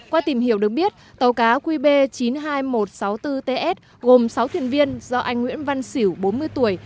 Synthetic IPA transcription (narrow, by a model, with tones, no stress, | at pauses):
kwaː˧t̪i˧˩mhi˧˩əwɗək̚ɓi˦˥ət̚t̪ə˨˩wkaː˨˦kwi˧ɓe˧t͡ɕi˨˦nɦaː˧jmo˨˩t̚sa˨˦wt̪ɨ˧t̪e˧ʔɛ˦˥t̚ | ɣo˨˩msa˨˦wt̪ʰi˧˩ənvi˧ənzɔ˧ʔa˧jŋ̟ŋwḭ˧˥ənva˧nsi˧˩wɓo˨˦nmɨ˧əjt̪u˧˩əj